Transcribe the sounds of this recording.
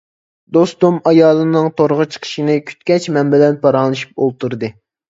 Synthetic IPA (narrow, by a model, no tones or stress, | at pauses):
d̪ost̪umɑjɑːlˠɨnɨŋt̪ʰoɾʁət͡ʃʰə̥qʰə̥ʃinɨkʲʰy̥t̪kʲɛt͡ʃmɛmbɛlɛnpʰɑɾɑːlˠɨʃu̥p̚olˠt̪ʰuɾd̪ɨ